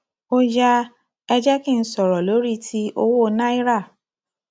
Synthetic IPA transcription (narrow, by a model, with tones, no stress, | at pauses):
o˦d͡ʒa˦ | ɛ˧d͡ʒɛ˦ki˦˨n̩˦sɔ˨ɾɔ˨lo˨˦ɾi˦tʰi˧˦o˦wo˦˧˦nã˦i˦ɾa˦˨